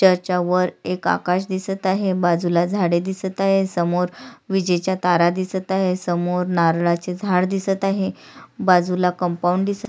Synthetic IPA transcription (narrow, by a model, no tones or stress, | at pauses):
t͡ɕəɾt͡ɕaʋəɾeka̰kaɕ̬d̪isət̪aɦebad͡zulad͡zʱaɽed̪isət̪aɦesəmoɾʋid͡ʑet͡ɕjat̪aɾad̪isət̪aɦesəmoɾnaɾɭat͡sed͡zʱaɽd̪isət̪aɦebad͡zulakəmpauɳɖd̪isə